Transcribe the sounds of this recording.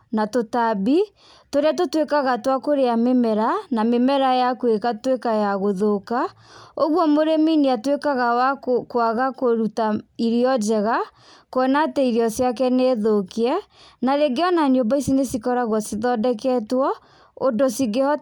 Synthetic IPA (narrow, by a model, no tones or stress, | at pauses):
natotabi | toɾeatotwekaɣatwakoɾeamemɛɾanamemɛɾajakwekatwekajaɣoðoka | oɣwɔmoɾemineatwekaɣawakkwaɣakoɾutaiɾiɔd͡ʒɛɣa | koɛnaːtɛiɾjɔsjak̬ɛneːðokeɛnaɾeɡeɔnaɲombaisinesikɔɾaɣwɔsiðɔdɛkɛtwɔ | odosiɡeɔ